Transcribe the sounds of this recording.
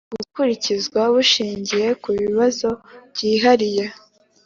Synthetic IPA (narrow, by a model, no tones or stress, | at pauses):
ɡ̥ukuɾicizɡwaβuʃiːɲɟije̞kuβiβazo̞βɟiːɦaɾije